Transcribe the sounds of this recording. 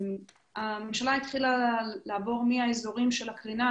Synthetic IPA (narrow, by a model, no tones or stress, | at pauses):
amemʃalait̪χilalaːbo̞ʁmiaezoʁimʃe̞lakʁina